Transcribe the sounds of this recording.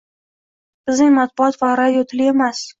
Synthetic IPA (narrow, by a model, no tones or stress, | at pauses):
bɪznɪŋmat̪̚bʊɒt̪vaɾad̪jot̪ʰɪlɪemas